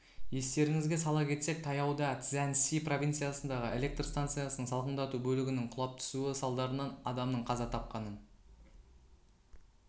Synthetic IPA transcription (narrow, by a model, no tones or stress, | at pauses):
je̞st̪e̞ɾɪŋɪzɡʲe̞sɑlˠɑkʲʰe̞t̪se̞k̚t̪ʰɑjɑwd̪ɑt̪sænsipro̞vʲijnt̪sɨjasənd̪ɑʁəʔe̞lʲek̚t̪rst̪ant̪sɨjasənəɴsɑlˠqənd̪ɑt̪ubɵlɪɡʲɪnɪɴqʰʊlˠɑp̚t̪ʰʏ̥suɪsɑlˠd̪ɑɾənɑnɑd̪ɑmnəɴqʰɑzɑt̪ʰɑp̚qɑnən